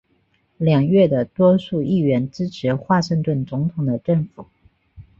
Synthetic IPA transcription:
ljɑ˨˩ŋɥɛ˥˩d̪ə˩t̪wɔ˥ʂu˥˧i˥˩ɥɛ˧˥nʈ͡ʂɻ̩˥ʈ͡ʂʰɻ̩˧˥xwa˥˧ʂə˥˧ŋt̪wə˥˩nt͡sʊ˧˥ŋt̪ʰʊ˨˩ŋd̪ə˦ʈ͡ʂɤ˥˩ŋfu˨˩˦

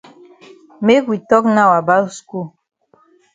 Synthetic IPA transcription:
me˦kwi˨tɔ˦kna˦˨wa˨ba˦sku˦˨

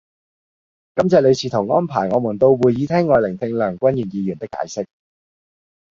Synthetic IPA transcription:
kɐ˥mt͡sɛː˨˩lɵ˨˧jsiː˨˧t̪ʰʊ˨˩wŋɔː˥npʰaː˨˩jŋɔː˨˧mu˨˩nt̪o˧wwuː˨˩jiː˨˧t̪ʰɛː˥ŋːɔː˨jlɪ˨˩ŋt̪ʰɪ˧ŋlœː˨˩ŋkʷɐ˥nji˨˩njiː˨˧jy˨˩nt̪ɪ˥kːa̰ː˨˧jsɪ˥k̚

